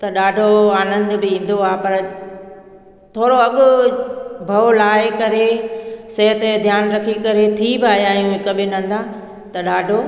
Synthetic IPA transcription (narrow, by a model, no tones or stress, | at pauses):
t̪ɐɗaːɖʱoaːnə̃nd̪bɪĩːn̆d̪oaːpɐɾ | t̪ʰoːɽoɐɠʊ | bʱɐlaːɪkɐɾesɐɦət̪ed̪ʱjaːnɾɐkʰikɐɾet̪ʰibɪaːjaːjũɦɪkɐbɪnɐ̃n̆d̪aː | t̪ɐɗaːɖʱo